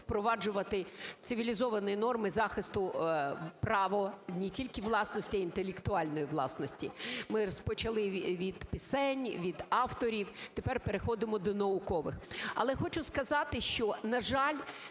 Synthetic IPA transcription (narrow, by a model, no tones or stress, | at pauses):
wpɾɔʋɑd͡ʒʊʋɐt̪ɪt̪sɪʋʲilʲizɔʋɐnʊjnɔrmɪzɑxɪst̪ʊ | prɑʋɔnʲitʲilʲkɪʋlˠɑsnɔsʲtʲiɐint̪elʲekt̪ʊɑlʲnɔjiʋlˠɑ̰snɔsʲtʲḭmɪɾɔspɔt͡ʃɐlˠɪʋʲid̪̥pɪsɛnʲʋʲid̪ɑwt̪ɔɾʲiwt̪epɛrpeɾexɔd̪ɪmɔd̪ɔnɐʊkɔʋɪxɐ̰lˠɛxɔt͡ʃʊskɐzɑt̪ɪʃt͡ʃɔnɐʒɑlʲ